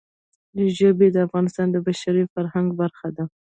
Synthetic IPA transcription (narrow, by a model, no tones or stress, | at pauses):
d̪eʒəbed̪əafɣɑnɪst̪ɑnd̪əbaʃaɾijfaɾhaŋɡbaɾxad̪a